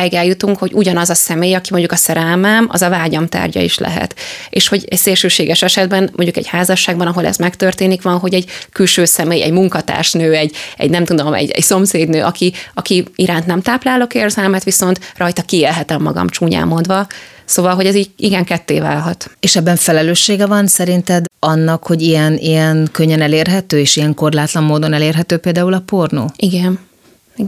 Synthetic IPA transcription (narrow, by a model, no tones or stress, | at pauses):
ɛɡɛljut̪uŋkho̞ɟuɟɒnɒzɒsɛmeːjɒkimoɲɟukɒsɛɾɛlmɛmɒ̰zɒvaːɟɒmt̪a̰ːrɟɒ̰ḭʃlʔɛ̰ɦɛ̰t̪ḛːʃho̞ɟɛcseːrʃøːʃeːɡɛʃɛʃɛd̪bɛnmoɲɟukɛ̰ɟhaːzɒʃːaːɡbɒnɒɦo̞lɛ̰zmɛkt̪ørt̪eːnikʋɒnɦo̞ɟɛɟkylʃøːsɛmeːjɛ̰ɟmuŋkɒt̪a̰ːrʃnøːɛɟɛ̰ɟnɛmt̪ud̪omɛ̰ɟɛ̰cso̞mseːd̪nøːʔɒkiɒkiiɾaːnt̪nɛmt̪aːplaːlːo̞keːrzɛlmɛt̪ʋiso̞nt̪rɒjt̪ɒkieːlɦɛt̪ɛmːɒ̰ɡɒ̰mt͡ʃuːɲa̰ːmːo̞nd̪ʋɒsoːvɒlɦo̞ɟɛziːɟiɡɛŋkɛt̪ːḛːva̰ːlɦɒt̪eːʃɛbːɛɱfɛlɛløːʃːeːɡɛvɒnsɛɾint̪ɛd̪ɒnːɒkho̞ɟijɛnijɛnkøɲːɛnɛleːrɦɛt̪øːeːʃijɛŋko̞rlaːt̪lɒmmoːd̪o̞nɛleːrɦɛt̪øːpeːld̪aːulɒporno̰ːiɡɛn